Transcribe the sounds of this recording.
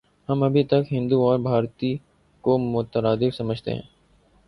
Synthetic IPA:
hɐmɐbʱit̪ɐkɦɪ̃nd̪uɔːɾbʱaːɾt̪i | komʊt̪əɾaːd̪ɪfsɐməd͡ʒʱt̪ḛɦɛ̰̃ː

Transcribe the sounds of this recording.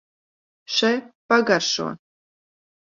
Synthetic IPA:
ʃɛjpaɡaɾʃṵɔ̰

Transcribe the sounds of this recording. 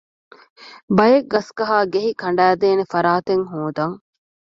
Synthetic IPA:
bɐjeɡːɐskɐɦaːɡeɦikʰɐɳ̆ɖæːd̪eːnefɐɾaːt̪eŋɦuːd̪ɐŋ

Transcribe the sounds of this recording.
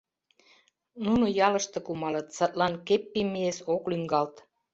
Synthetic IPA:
nunujɑlə̆ʃt̪ɤ̆kumɑlɤ̆t̪sɑt̪lɑnkepːimiesoklyŋɡɑlt̪

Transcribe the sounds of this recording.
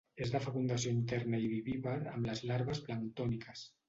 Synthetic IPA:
ezðafakund̪asjoint̪ɛɾnaiβiβiβaa̰mlazlaɾβasplant̪ɔnikas

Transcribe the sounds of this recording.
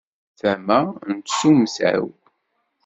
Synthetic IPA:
θæmænt̪suməsʕ̰w

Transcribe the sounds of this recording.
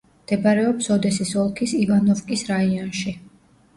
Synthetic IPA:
md̪̥ɛbaɾɛɔpsɔd̪ɛsisɔlˠkʰisivanɔfkʼisɾaiɔnʃi

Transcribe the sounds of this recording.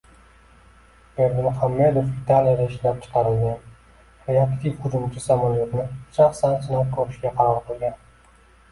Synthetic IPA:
beɾd̪ɪmχamːe̞d̪ofvit̪ʰalijad̪aɪʃlap̚t͡ʃʰɨ̥qʰɑɾɪlɡʲan | ɾeakt̪ʰivχʊd͡ʒʊmt͡ʃʰɪsamaljot̪nɪʃaχsansɪnankʰoɾɪʃɡʲaqʰɑɾɒɾqʰolˠɡʲan

